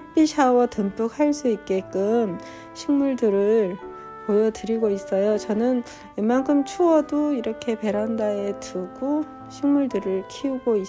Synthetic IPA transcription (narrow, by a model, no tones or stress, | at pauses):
ap͈iɕʰawʌtɯnp͈ʰuk̚haɭs͈uik̚k͈e̞k͈ɯm | ɕʰiŋmuɭdɯɾɯɭ | pojʌdɯɾiɡois͈ʌjot͡ɕʌnɯn | emaŋkʰɯmt͡ɕʰuwʌdoiɾʌkʰe̞pe̞ɾandaetuɡ̥o | ɕʰiŋmuɭdɯɾɯɭkʰiuɡoi